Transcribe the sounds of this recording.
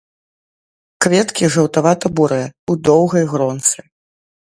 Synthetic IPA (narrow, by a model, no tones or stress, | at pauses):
kvʲɛt̪kʲiʐɐwt̪avat̪ɐbuɾɨjɛud̪ɔwɣɐjɣɾɔnt̪sɨ